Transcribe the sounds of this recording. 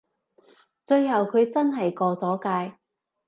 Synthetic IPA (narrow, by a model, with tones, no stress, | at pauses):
t͡sɵ˧ɥɦɐ˨wkʰɵ˨˧ɥt͡sɐ˥nɦɐ˨jkɔː˧t͡sɔː˨˥kaː˧j